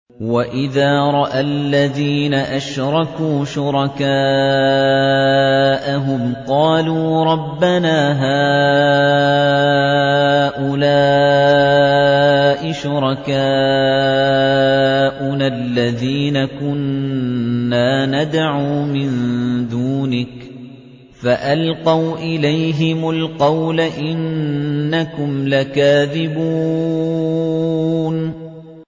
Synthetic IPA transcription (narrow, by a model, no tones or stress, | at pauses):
waʔɪðaːɾˤɑʔalːaðiːnaʔaʃɾˤɑkuːʃʊɾɑkaː | ʔaɦʊmqɑːluːɾˤɑbːanaːɦaː | ʔʊlaː | ʔɪʃʊɾˤɑkaː | ʔʊnalːaðiːnakʊnː | aːnad̪ʕuːmɪnd̪uːnɪk | faʔalqɑwʔɪlajɦɪmʊlqɑwlaʔɪnː | akʊmlakaːðɪbuː | n